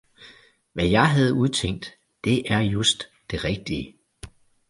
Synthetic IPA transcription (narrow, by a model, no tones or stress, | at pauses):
ʋæjɑ̈ɪɦæð̞̩ˠuð̞ˠt͡sʰeŋ̰d̥ː | e̝ʔæɐjosd̥ːe̝ʁɛɡ̥̚d̥iə